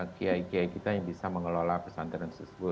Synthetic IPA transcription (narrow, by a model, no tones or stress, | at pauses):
akiaikiaikit̪ajaŋbisaməŋəlolapəsant̪əɾansəsəbʊ